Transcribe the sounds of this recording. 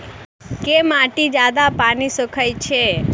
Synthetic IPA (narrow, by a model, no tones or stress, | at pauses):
kemaʈid͡ʒad̪apanisəkʰajt͡ʃʰe